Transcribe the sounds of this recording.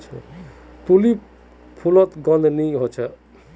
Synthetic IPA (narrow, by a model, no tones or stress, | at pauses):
t͡ʃʰɛ̰t̪uli | pʰulɔt̪ɡɔnd̪ʱniɦot͡ʃʰɛ